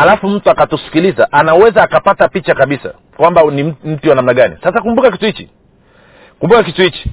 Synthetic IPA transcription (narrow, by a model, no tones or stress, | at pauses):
alafum̩tuakatusi̥kilizaʔanawɛzaːkapatapit͡ʃakaɓisa̰ | kwambanim̩tiwanam̩naɠanḭsasakumbukaki̥tuhit͡ʃi | kumbukak̬ituhit͡ʃi̥